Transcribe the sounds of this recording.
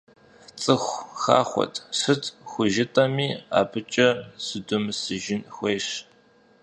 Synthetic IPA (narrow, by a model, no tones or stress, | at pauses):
t͡sʼɨxʷxa̰ːχʷɔ̰tʼsɨtʰʼxʷʊʒɪtʼɐmiːa̰ːpʰɨt͡ʃʼɐsɨdʊmsɨʒɪnxʷeːɕ